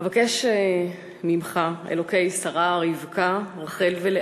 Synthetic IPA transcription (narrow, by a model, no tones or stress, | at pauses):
vakeʃe | mimχaḛloke̞jsaʁaʁivkaʁaχelvele